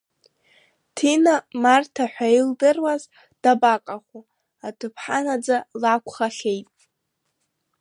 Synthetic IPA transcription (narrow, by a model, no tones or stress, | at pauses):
tʰinamartʰaħʷᶣaildɨrwaz | d̥abakʼaχu | atʰɨpʰħanad͡zalakʷʰχaχʲejtʼ